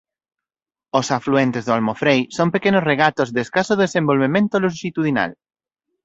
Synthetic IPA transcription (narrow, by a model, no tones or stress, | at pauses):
osafluent̪ezðoalmofɾejsompekenosreɣ̞at̪ozðeskasoðesẽmbolβemẽnt̪oluʃit̪uðina̰l